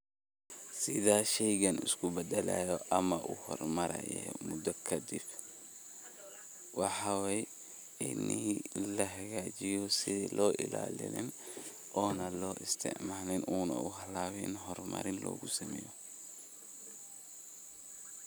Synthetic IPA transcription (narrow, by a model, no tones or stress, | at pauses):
sɪðaːʃɛjɣɐnɪ̰skʰʊbɛd̪ɐla̰jɔʔɐmɐʔuhɔ̰rmɐɾɐ̰jɛ̰mʊd̪ɐkʰɐd̪ɪb | wɑħɑwɛj | ɪnilɐɦɐɣaːt͡ʃɪjɔsɪðilʔɔːʔɪ̰la̰ːlɪ̰lɪ̰n | ɔːnɐlɔːʔɪst̪ʰɪ̰ʕmaːnɪnuːnɐ̰uɦɐlaːwɛnɦɔrmɐ̰ɾɪnlɔ̰ːɣʊsɐmɛːjɔ